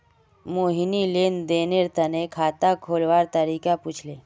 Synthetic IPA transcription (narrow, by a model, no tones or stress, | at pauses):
moːɦinileːnd̪eːneɾt̪ənekʰaːt̪akʰoːlʋaːɾt̪əɾiːkaput͡ʃʰleː